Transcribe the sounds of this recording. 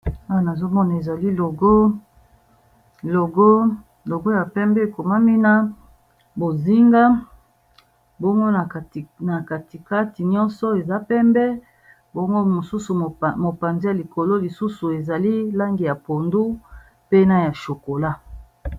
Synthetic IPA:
a˦wna˨zo˦mɔ˦na˨e˨za˨li˦lo˨ɡo˦ | lo˨ɡo˦ | lo˨ɡo˦ja˨pɛ˦mbɛ˦e˨ko˨ma˦mi˦na˦ | bo˨zi˦ŋɡa˦ | bo˦ŋɡo˦na˨na˨ka˨ti˨ka˦ti˨ɲɔ˦nsɔ˦e˨za˦pɛ˦mbɛ˦ | bɔ˦ŋɡo˦mo˨su˦su˨mo˨pa˨nzi˦ja˨li˨ko˨lo˦li˨su˦su˨e˨za˨li˦la˦ŋɡi˨ja˨po˨ndu˦ | pe˦na˦ja˨ʃo˨ko˨la˦

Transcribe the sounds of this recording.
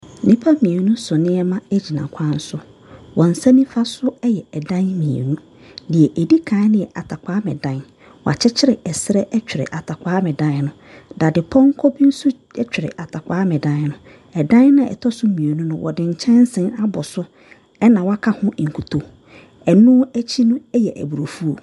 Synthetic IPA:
nɪ̃˦pʰa˦mĩ˨e˨nũ˦sʊ˨nɪ̃˦ɛ˦mã˦æ˦d͡ʑi˨nã˨kʰã˦n̩˦sʊ˦ | wɔ̃˨n̩˨sã˦nĩ˦fa˦sʊ˦ɛ˦jɛ˨ɛ˨dã˦nmĩ˨ḛ˨nũ˦ | dɪ˨ɛ˨ʔe˨di˦kʰã˨˦nɪ̃˦˨ɛ˨ʔa˨tʰa˨kʷʰaː˦mɪ̃˨dã˦n | wɔ̰˨a̰˨t͡ɕʰɪ˦t͡ɕʰɪ˦ɾɪ˨ɛ˨sɪ˦ɾɛ˦ʔɛ˦t͡ɕᶣɪ˨ɾɪ̰˨ʔa˨tʰa˨kʷʰaː˦mɪ̃˨dã˦n˨˦nʊ̃˨ | da˨dɪ˨pʰɔ̃˦ŋ̩˦kʰɔ˦bi˦n̩˦sʊ˦ | ɛ˦t͡ɕᶣɪ˨ɾɪ̰˨ʔa˨tʰa˨kʷaː˦mɪ̃˨dã˦n˦nʊ̃˨ | ɛ˨dã˦nnã˨ɛ̰˨tʰɔ˦sʊ˦mĩ˨e˨nũ˦nʊ̃˦wʔɔ̰˨dɪ̃˨ɲ̩˨t͡ɕʰɛ̃˦n˦sɪ̃˦na˦bɔ˨sʊ˦ | ɛ˦nã˨wa˦kʰa˦hʊ̃˦˨ŋ̩˨kʰu˨tʰo˨ | ɛ˨nũ˦æ˦t͡ɕʰi˦nũ˦ɛ˦jɛ˨ʔæ̰˨bu˨ɾo˨fu˦o˨

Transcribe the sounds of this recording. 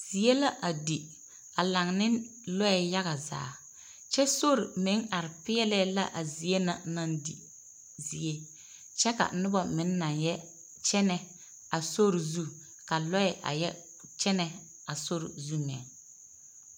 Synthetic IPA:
z̥i˨e˦la˦ʔa˨di˨ | a˨la˨ŋnɪ˦ | lɔ˦ɛ˦ja˦ɣa˨za̰ː˨˦ | t͡ʃɛ˦so˦ɾɪ˨mɪ˨˦ŋʔa˨ɾɪ˨pɪ˦ɛ˦lɛ˦la̰˦ʔa˨zi˨e˦na̰˨na˦ndḭ˨ | zi˨e˦ | t͡ʃɛ˦ka̰˨˦nʊ˦bɔ˨mɪ˨˦nː˦a˨ŋjɛ˦ | t͡ʃɛ˦nɛ˨ | a˨so˦ɾɪ˨zu˦ | ka˨lɔ˦ɛ˨ʔa̰˨jɛ˦ | t͡ʃɛ˦nɛ˨ | a˨so˦ɾɪ̰˨zu˦mɛ̰˨

